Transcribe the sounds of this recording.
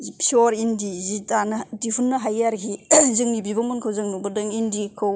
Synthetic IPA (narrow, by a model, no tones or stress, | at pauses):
pʰiɔɾindizitanɐdipʰunːɐɦajaɾɡizɯŋnibibaŋmunkʰɯwzɯŋnubɯdɯŋindikʰɯw